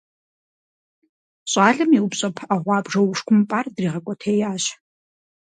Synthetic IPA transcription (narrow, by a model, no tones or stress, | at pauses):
ɕʼɑːɮɨmiwpɕʼɐpʰaʁʷɑːbʐɐwʊʂkʷʰʊmpʼaːrdriːʁɐkʷʼɔtʰeːjaːɕ